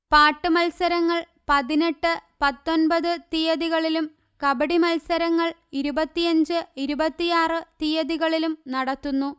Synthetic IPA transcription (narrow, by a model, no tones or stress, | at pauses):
paːʈːɨmɐlsɐɾɐŋːɐɭ | pɐðine̞ʈːɨpɐt̪ːo̞nbɐðɨt̪ijɐðiɣɐɭilum | kɐbɐɽimɐlsɐɾɐŋːɐɭiɾubɐt̪ːijɐɲd͡ʑɨiɾubɐt̪ːijaːrɨt̪ijɐðiɣɐɭilumnɐɽɐt̪ːunːu